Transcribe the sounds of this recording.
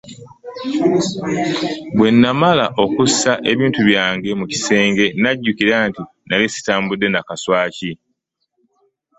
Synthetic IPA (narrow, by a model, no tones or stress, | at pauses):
bwe̞nːamalaʔo̞kusaʔe̞βiːntuβjaːŋɡe̞muci̥se̞ːŋɡe̞naɟːukiɾaːnti | nalisi̥taːmbudːe̞nakaswaːci